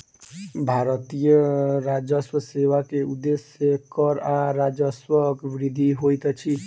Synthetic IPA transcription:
bʱaɾʌt̪ijʌɾad͡ʒʌswʌsewakeud̪esjʌkʌɾaɾad͡ʒʌswʌkbɾid̪ʱiɦojt̪ʌt͡ʃʰi

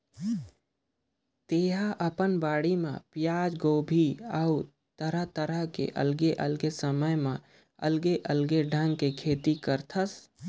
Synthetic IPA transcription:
t̪eːɦaʔəpənbaːɽimḛ̃pɪjaːd͡ʒɡoːbʱiəu | t̪əɾət̪əɾəɦkḛʔə̰lɡeʔəlɡesəməjmẽ | ə̰lɡeʔəlɡeɖʱə̃ŋɡ̚kekʰeːt̪ikəɾt̪ʰəs

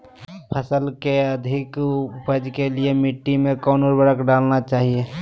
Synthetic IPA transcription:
pʰəsəlkeəd̪ʱɪkpəd͡ʒkeliemɪʈːimẽkɔːnoːɾbəɽəkɖaːlnat͡ʃaːɦie

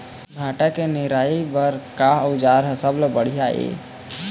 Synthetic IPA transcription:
ɡʱaːʈakenɪɾaːibəɾkaʊd͡ʒaːɾɦəsəblbəɽ̤ijaːḛː

